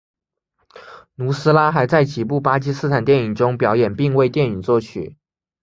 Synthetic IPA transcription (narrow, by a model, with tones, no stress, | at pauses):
nu˧˥sɹ̩˥la˥xa˧˥ɪt͡sa˥˩ɪt͡ɕi˨˩pu˥˩pa˥t͡ɕi˥sɹ̩˥t̪ʰa˨˩nt̪jɛ˥˩ni˨˩ŋʈ͡ʂʊ˥ŋpjɑ˨˧˥ʊjɛ˨˩npi˥˧ŋwe˥˧ɪt̪jɛ˥˩ni˨˩nt͡swɔ˥˩t͡ɕʰy̰˨˩˦